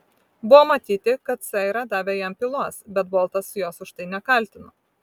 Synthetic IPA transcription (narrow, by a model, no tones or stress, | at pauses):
bʊʋoːmɐt̪ʲiːt̪ʲɪkɐt̪sɛɪɾɐd̪ɑːʋʲɛːjɛmpʲɪlˠuɔsbʲɛt̪bɔːlˠt̪ɐsjoːsʊʃt̪ɐɪnʲɛkɐˑlʲt̪ʲɪnoː